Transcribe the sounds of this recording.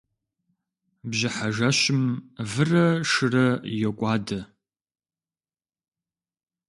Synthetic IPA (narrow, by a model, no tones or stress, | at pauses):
bʑɪħaʒɐɕɪmvɨrɐʂɨrɐjɛkʷʼaːdɐ